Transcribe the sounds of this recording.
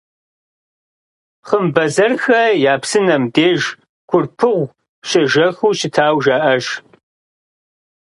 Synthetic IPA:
χəmbɐzɐrxɐjaːpsɨnɐmdeːʒ | kʷʰʊrpʰɨʁʷ | ɕɐʒɐxuːɕɪtʰaːwʒaːʔɐʒ

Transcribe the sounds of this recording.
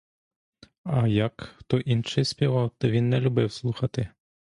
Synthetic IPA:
ajakxt̪ɔʔinʂɨjsʲpʲɛvawt̪ɔvʲinːɐlʲubɛwslˠuxɐt̪ɨ

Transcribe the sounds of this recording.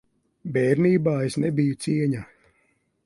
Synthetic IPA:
bɛːɾniːbaːesnebijut̪siɛɲa

